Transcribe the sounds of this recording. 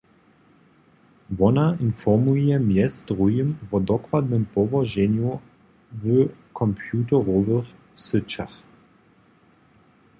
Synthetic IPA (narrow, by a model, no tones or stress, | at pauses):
vɔnainfɔʁmujɛmjɛsdʁujəmvɔd̪ɔkvad̪nəmpɔvɔʒɛnju | vəkʰɔmpʰjuːtəʁɔvəχ | sət͡ʃa̰x